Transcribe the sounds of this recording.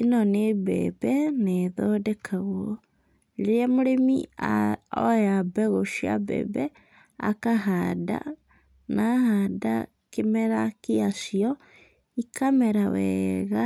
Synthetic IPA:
inɔnebɛ̰bɛneðɔdɛkʰaɣwɔ | ɾeɾamoɾemiaɔjabɛɣoʃia̰bɛ̰bɛ | a̰kaɦada̰ | nahada̰ | kemɛɾakeasiɔ | ikamɛɾawɛ̰ɣa

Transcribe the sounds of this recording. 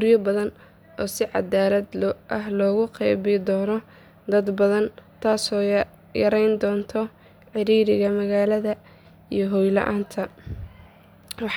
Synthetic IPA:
ɡʊɾjɔbɐðɐn | ɔːsɪʕɑ̰d̪aːlɐd̪lʔɐɦlɔːɣʊqɛjβɪd̪ɔːnɔ | d̪ɐd̪bɐðɐnt̪ʰaːsɔː | jɐɾɛjnd̪ɔːnt̪ʰɔ | ħɪɾiːɾɪɣɐmɐɣaːlɐðɐ | ijɞɦɔjlɐ̰ʔa̰ːnt̪ʰɐ | wɑħ

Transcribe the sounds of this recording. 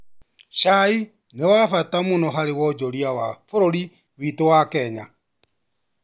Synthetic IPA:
ʃai | newafatamunoɦaɾewɔd͡ʒoɾjawafoɾoɾi | βitowakɛɲa

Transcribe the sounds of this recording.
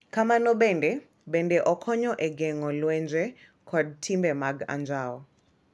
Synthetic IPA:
kamanɔɓɛndɛ | ɓɛndɛʔɔkʰɔɲɔʔɛɡɛŋɔlwɛnd͡ʒɛ | kʰɔd̚tʰimbɛmaɡa̰nd͡ʒaɔ

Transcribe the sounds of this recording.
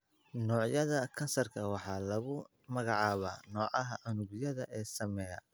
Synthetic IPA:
nɔːʕjɐðɐkʰɐnsɐrkʰɐwɑħɑːlɐɣʊ | mɐɣɑʕɑːβaːnɔːʕɑɦɐʔʊnʊɣjɐðɐʔɛːsɐmɛːjɐ

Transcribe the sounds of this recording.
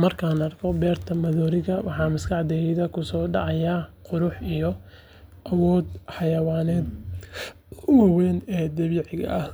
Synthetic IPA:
mɐrkʰaːnɐrkʰɔbɛːrt̪ʰɐmɐðɔːɾɪɣɐwɑħɑːmɪskʰɑʕd̪ɛːjɪðɐkʰʊsɔːɖɑʕɑjaːqʊɾʊħijɔ | ʔɐwɔːd̪ħɑjɐwaːnɛːd̪ | ʊwɑwɛːnɛːd̪ɐβiːʕɪɣɐ̰ʔɐh

